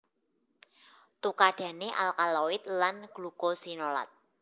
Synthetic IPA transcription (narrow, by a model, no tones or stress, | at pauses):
t̪ukaɖ̥ä̤neʔalkaloɪt̪̚lanɡ̥lukosinola̰t̪̚